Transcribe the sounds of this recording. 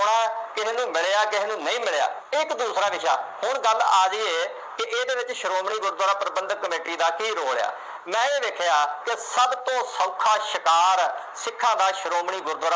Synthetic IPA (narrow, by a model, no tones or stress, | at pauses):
ʊɳaːkɪɦeːnũːmɪɭeaːkɪɦeːnũːnəĩːmɪɭeja̰ː | ɪkd̪uːsɾaːʋɪʃa̰ːhʊɾɡəlaːd͡ʒiːeː | kɪʔeːd̪eːʋɪt͡ʃʃəɾoːmɳiːɡʊɾd̪ʱaːɾaːpəɾəbə̃nd̪kːəmeːʈiːd̪aːkiːɾoːɽeja̰ː | mɛ̃ːeːd̪eːkʰejaːkesəbt̪õːsəʊkʰaːʃəkaːɾ | sɪkʰːãːd̪aːʃəɾoːmɳiːɡʊɾd̪ʱaːɾaː